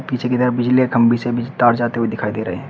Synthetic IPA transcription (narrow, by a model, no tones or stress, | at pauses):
piːt͡ʃʰeked̪əɾəbɪd͡ʒlikʰɐ̃mbʱisebʱɪd͡ʒt̪aːɾd͡ʒaːt̪eued̪ɪkʰaːid̪eːɾɐɦḛɦɛ̃